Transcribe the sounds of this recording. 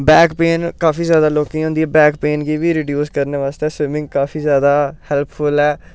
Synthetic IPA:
bɛːkpeːnkaːfʰiːzjaːd̪aːloːkĩːõːnd̪iɛːbɛːkpeːnɡiːʋiːɾiːɖjuːskəɾneːʋaːst̪ɛːsʋɪmɪ̃ŋɡkaːfiːzjaːd̪aːhɛlpfʰʊlɛː

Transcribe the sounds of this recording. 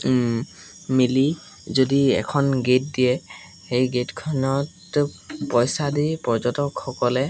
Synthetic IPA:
mili | zodiɛ̰kʰɔnɡet̚diɛ | xejɡetkʰɔnɔt | pɔjsadipɔɹzɔtɔkxɔkɔlɛ

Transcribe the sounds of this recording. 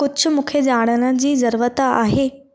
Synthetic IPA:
kʊd͡ʑʰʊ̆mũːkʰed͡ʑaːɽ̃ənə̃d͡ʑiːzəɾuːʋət̪aa̰ːɦeː

